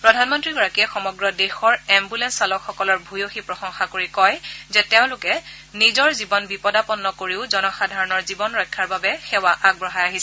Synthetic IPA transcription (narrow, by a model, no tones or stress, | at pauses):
pɹɔdʱanmɔntɹiɡɔɹakiɛxɔmɔɡɹɔdexɔɹɛmbulɛnsalɔkxɔkɔlɔɹbʱujoxipɹɔxɔŋxakoɹikɔjzɛteʊ̃lʊkɛ | nizɔɹzibɔnbipɔdapɔnːɔkoɹiʊzɔnɔxadʱaɹɔnɔɹzibɔnɹɔjkʰːaɹbabɛxɛwaʔaɡ̚bɹɔɦajaɦisɛ